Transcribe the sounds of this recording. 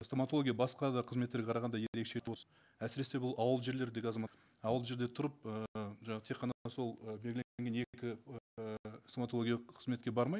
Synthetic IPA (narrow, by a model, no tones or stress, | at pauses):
st̪omat̪olˠoɡʲijaɑbɑsqɑd̪ɑqʰəzmet̪ːeɾɡʲeqʰɑɾɑʁɑnd̪ɑjeɾe̞kʃe̞wos | æsɪɾe̞sebʊlˠɑwəlˠʒe̞ɾle̞ɾd̪e̞ɡʲɑzɑmɑ | ɑwəlˠʒe̞ɾd̪e̞t̪ʰʊɾəp̚əʒɑɑʁət̪ʰeqʰːɑnɑso̞lˠəbelɡʲleeŋɡʲene̞kʲɪəsomat̪olˠoɡʲijɑqʰəzme̞t̪̚kʲe̞bɑɾmɑj